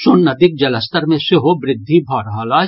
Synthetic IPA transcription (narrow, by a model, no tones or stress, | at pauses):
sʊnːɐd̪ɪk̚d͡ʒɐləst̪əɾmẽseɦobɾɪd̪ʱːibʱɔːɾɐɦaːlaː